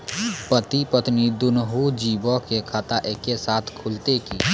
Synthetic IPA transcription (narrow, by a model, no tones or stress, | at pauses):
pət̪ipət̪mid̪ʊnɦud͡ʒiːbokekʰaːt̪aʔeːkːesaːt̪ʰkʰʊlt̪ekiː